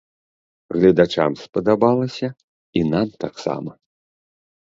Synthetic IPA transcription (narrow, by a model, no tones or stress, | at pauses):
ɣlʲɐd̪at͡ʂa̰mspɐd̪abalˠɐsʲɐ | inamt̪aksa̰mɐ